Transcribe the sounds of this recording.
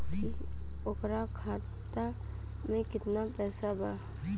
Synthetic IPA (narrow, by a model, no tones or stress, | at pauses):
ki | ʊkɾakʰaː | t̪a | mẽkɪt̪napɛːsabaː